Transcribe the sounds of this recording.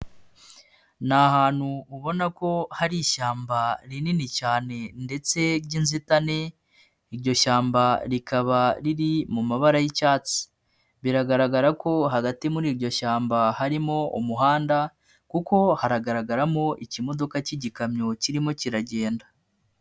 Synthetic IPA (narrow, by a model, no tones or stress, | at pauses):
nahaːn̥huːβo̞nako̞haɾiʃaːmbaɾininicaːne̞nde̞t͡se̞ɾɟiːnzitane̞ | iɾɟo̞ʃaːmbaɾikaβaɾiɾimumaβaɾajicaːt͡si̥ | βiɾaɡaɾaɡaɾako̞ɦaɡatimuɾiːɾɟo̞ʃaːmbahaɾimo̞umuɦaːnda | kuko̞haɾaɡaɾaɡaɾamo̞ʔicimo̞do̞kaciɟikamɲo̞ciɾimo̞ciɾaɟe̞ːnda